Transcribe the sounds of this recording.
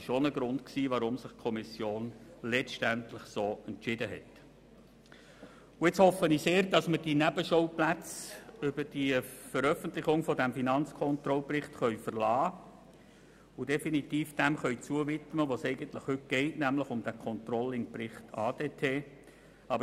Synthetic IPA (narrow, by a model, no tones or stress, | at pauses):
ʃonəɡɾʊndksiːʋɑɾʊmsɪχkʰɔmɪsjoːnlɛt͡stæntlɪχsoːɛntt͡ʃɪdəɦɛ̰t | ʊɪt͡shɔfəniseːɾd̥ɑsməd̥inæbəʃoʊplæt͡sʏbəd̥ifəɾœfəntlɪχʊŋfɔdæmfinɑnt͡skʰɔnt̪ɾɔlprɪχtχœɥfərlɑː | ʊdɛfinitiːfd̥ɛmχœɥt͡suəvɪt̪məʋoːsɛɪɡəntlɪχhʏt̚ɡ̥ɛɪtnæmləχʊmd̥ækʰɔnt̪rɔlɪŋprɪχtʰɑːd̥eːtʰeː | ɑbə